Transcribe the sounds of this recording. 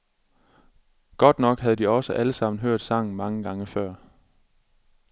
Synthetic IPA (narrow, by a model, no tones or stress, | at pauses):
ɡ̥ɒ̽d̥nɒ̽ɡ̥ɦæð̞̩ˠd̥iɒ̽səʔæləsɑ̈m̰n̩ɦøɐ̰d̥sɑ̈ŋ̰n̩mɑ̈ŋəɡ̥ɑ̈ŋəfɶɐ̰